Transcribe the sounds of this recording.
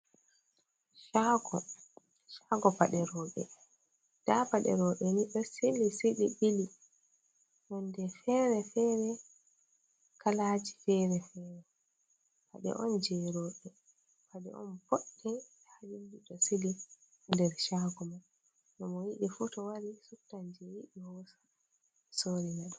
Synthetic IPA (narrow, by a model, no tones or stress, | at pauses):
ʃaɡɔ̰ | ʃaɡɔpaɗɛɾɔːɓɛ̰ | d̥apaɗɛ̰ɾɔɓɛniɓɛsilisiɗiɓili | mɔndɛfɛɾɛfɛːɾɛ | kalaːd͡ʒi̥fɛɾɛfɛːɾɛ | ha̰ɗɛ̰ʔɔnd͡ʒɛɾɔɓɛ | padɛ̰ʔɔ̰npoɗːi | had͡ʒundiɗɔsili | ndɛɾʃaɡuman | nɔmɔjiɗifutɔwaɾisuktand͡ʒɛjiɗiwɔsḁ | soɾinɛɗɔ